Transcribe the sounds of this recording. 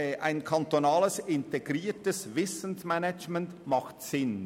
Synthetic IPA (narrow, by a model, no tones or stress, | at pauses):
ʔaɪnkʰantonɑːləsɪnteɡɾiːtəsvɪsən̩smɛnɛt͡ʃmɛntmɑχtsɪn